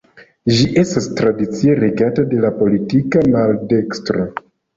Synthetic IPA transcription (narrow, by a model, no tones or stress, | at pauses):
d͡ʒiʔe̞stastɾadit͡sie̞ɾe̞ɡatade̞lapo̞litikamalde̞kstɾo